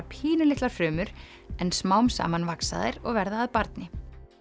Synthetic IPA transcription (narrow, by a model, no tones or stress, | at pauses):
pʰiːnʏlɪht̪laɾ̥fɾʏːmʏɾ | ɛnsmaːwmsa̰ːmanvaksa̰ðɪ̰ɾɔɣvɛɾðaːðpaɾt̪nɪ